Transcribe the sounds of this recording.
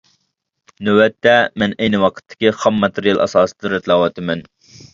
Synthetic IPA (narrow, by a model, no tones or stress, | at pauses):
nøwɛt̪ʰːɛmɛnɛjnɨwɑqʰə̥t̪ʰːɪ̥kʲiχɑmːɑt̪ʰeɾijɑlˠʔɑ̰sɑːsɨ̥d̪ɾɛt̪lˠɑwɑt̪ʰɨmɛn